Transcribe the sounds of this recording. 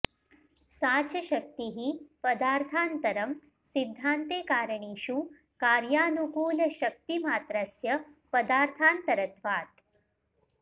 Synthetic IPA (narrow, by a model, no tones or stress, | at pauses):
saːt͡ʃɐʃɐk̚t̪iɦipɐd̪aːɾt̪ʰaːnt̪ɐɾɐm | sid̪ʱːaːnt̪eːkaːɾɐɳiːʃu | kaːɾjaːnukuːlɐʃɐk̚t̪imaːt̪ɾasjɐpɐd̪aːɾt̪ʰaːnt̪ɐɾɐt̪ʋaːt̪̚